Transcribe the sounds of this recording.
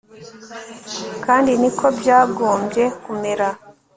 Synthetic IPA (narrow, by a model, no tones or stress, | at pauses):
kaːndinikʰo̞bjaːɡo̞ːmbɟe̞kumeɾa